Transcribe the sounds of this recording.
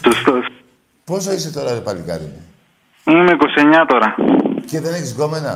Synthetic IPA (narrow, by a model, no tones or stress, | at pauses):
sust̪os | posɐiset̪o̞ɾɐðepɐlikɐ̰ɾini | imekoseɲɐt̪oɾɐceðe̞neçizɣomenɐ̰